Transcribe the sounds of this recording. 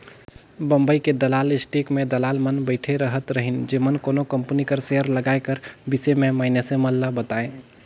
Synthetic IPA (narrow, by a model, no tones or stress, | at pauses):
bəmbəiked̪əlalisʈikmed̪əlalmənbəɪʈʰeɾəɦət̪ɾəɦind͡ʒemənkoːnokəmpənikəɾseəɾləɡaekəɾbisememəɦinesẽməlːəbət̪aẽ